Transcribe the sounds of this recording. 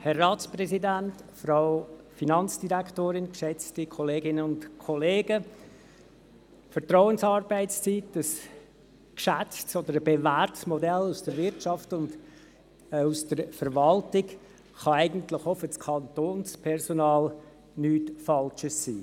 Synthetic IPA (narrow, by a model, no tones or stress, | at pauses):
hɛrːɑːtsprɛsidæntfɾaʊfinɑnt͡sd̥iɾækʰtoːɾɪnkʃɛt͡stikʰɔleːɡɪnənʊntkʰɔleːɡə | fəɾtɾɔʊənsɑːɾbæɪt͡st͡siːtəs | kʃæt͡stsɔd̪əɾəbevæːrtsmɔdɛlːusd̥əɾʋɪɾt͡ʃɑftʊnd | usd̥əɾfəɾʋɑltɪk | χɑæɪɡən̩tlɪχɔfət͡skʰɑntoːnspʰɛɾsonɑːl | nyːtfɑlt͡ʃəsːḭː